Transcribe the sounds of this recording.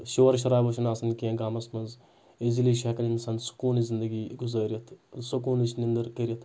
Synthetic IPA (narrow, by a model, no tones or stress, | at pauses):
ʃoːɾʃ̬ɐɾaːbɐʃɐnaːsɐnkeɡaːmɐsmɐnz | eziliːʃɐkɐninsɐnsu̥kuːnizind̪ɐɡiːɡuzaːɾʲɐt̪ʰsukuːnit͡ʃʰnind̪ɐɾkəɾʲiɐt̪ʰ